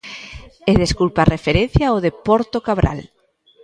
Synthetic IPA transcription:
eðeskulparefeɾen̟θjaoðepɔɾt̪okaβɾa̰l

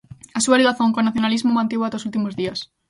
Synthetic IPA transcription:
asualiɣaθoŋkonaθjonalizmomãnt̪eβat̪osult̪̬imozðiɐs

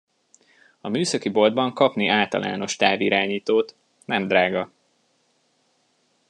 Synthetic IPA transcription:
ɒmyːsɒkibo̞ld̪bɒŋkɒpniʔaːlt̪ɒ̰lʔa̰ːno̞ʃt̪aːviɾaːɲiːt̪oːt̪ | nɛmd̪ɾaːɡɒ

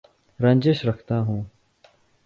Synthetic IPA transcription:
ɾɐ̃ɲʲd͡ʒeːʃɾɐkʰt̪aɦũː

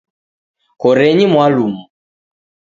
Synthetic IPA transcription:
kɔɾɛɲimwalumu

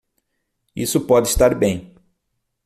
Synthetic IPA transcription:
isʊpɔd̪ɪst̪aɾbẽj̃

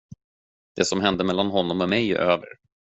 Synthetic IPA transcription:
d̪̥ɛsɔmɦɛnd̪əmɛlːanɦɔnːɔmɔmɛj̰ʔøːvə̰ɾ

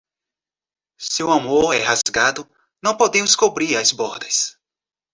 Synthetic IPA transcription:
sɪʊamoɾɛhazɡad̪ʊ | nɐ̃w̃pod̪ẽmʊskobɾiɾɐzbɔɾd̪ɐs

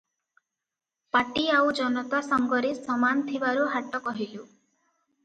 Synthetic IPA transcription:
paʈiawd͡ʒɔnɔt̪asɔŋɡɔɾisɔmant̪ʰibaɾuɦaʈɔkɔɦilu

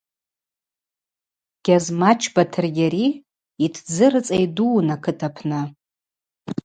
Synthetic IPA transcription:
ɡ̥ʲazmat͡ʃʰbatʰɨrɡʲaɾi | itʰd͡zɨɾɨt͡sʼajduːnakʰɨtʰapʰnɨ

